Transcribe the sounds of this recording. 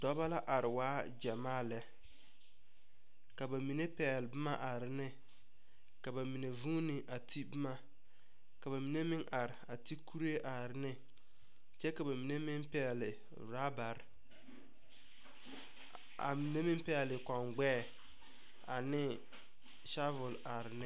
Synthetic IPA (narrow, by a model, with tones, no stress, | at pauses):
dɔ˦ba˦la˦ʔa˨ɾɪ˨waː˦d͡ʒɛ˨maː˦˨lɛ˦ | ka˨ba˨mi˨ne˦pɛː˨lɪ˨bɪ˦ma̰˦ʔa˨ɾɪ˨nɪ˦ | ka˨ba˨mi˨ne˨vuː˦nɪ˨ʔa˨tʰi˦bɪ˦ma˦ | ka˨βa˨mi˨ne˦mɪ˦ŋʔa˨ɾɪ˨a˨ti˦kʰu˦ɾe˦ʔa˨ɾɪ˨˦nɪ˦ | t͡ʃɛ˦ka˨ba˨mi˨ne˦mɪ˦mpɛ˦˨lɪ˨ | ɾa˦ba˨ɾ | a̰˨mi˨ne˦mɪ˦mpɛ˦˨lɪ˨kɔ˨ŋɡ͡bɛː˦˨ | a̰˨nɪ˦ | ʃa˦vʊ˨la˨ɾɪ˨nɪ˦